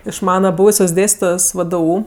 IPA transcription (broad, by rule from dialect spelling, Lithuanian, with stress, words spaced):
ɪʃ ˈmɑːnɐ ˈbuːʋʊsʲoːs ˈdʲeːsʲtʲɪtoːjoːs ˈʋdʊ